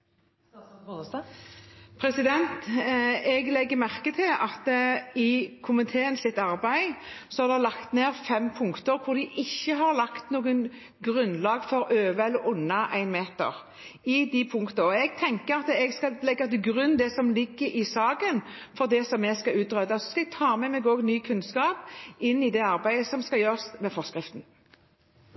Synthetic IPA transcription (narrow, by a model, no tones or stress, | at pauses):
pʰɾɛsɪd̪ɛnt̪ | ɛɡlɛɡːəmæʁkət̪ʰɪlɑt̪ɪkʰʊmɪt̪ʰeːənsɪt̪ːɑʁbæɪsɔhɑɾd̪ɛlɑkt̪neːʁfɛmpʰʊŋkt̪əɾkʰʊd̪ɪʔɪçːəɦɑɾlɑkt̪nuːɡən | ɡʁʉnːlɑːɡfɔɾøːʋəɛlːəɾʊnːɑʔæɪnmeːt̪ə̰ʁ | ɪd̪ɪpʰʊŋkt̪əɔɛɡ̚t̪ʰɛŋkəʁɑt̪ɛɡskɑlɛɡːɑt̪ɪlɡʁʉnd̪ɛsɔmlɪɡːəɾʔɪsɑːɡən | fɔʁd̪ɛsɔmːɛskɑʉːt̪ʁœd̪ɑsɔskɑɛɡ̚t̪ʰɑːmɛmɛɡoːɡnyːkʰʉnskɑːpɪnːɪd̪ɛɑʁbæɪəsɔmskɑjøːʁsmɛfɔʁskʁɪft̪n̩